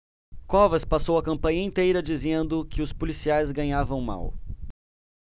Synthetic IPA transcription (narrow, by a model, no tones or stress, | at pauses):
kɔvɐspasowɐkɐ̃mpɐ̃ɲɐẽnt̪ejɾɐd͡ʒizẽnd̪ʊkɪʊspolisiajzɡɐ̃ɲavɐ̃w̃ma̰w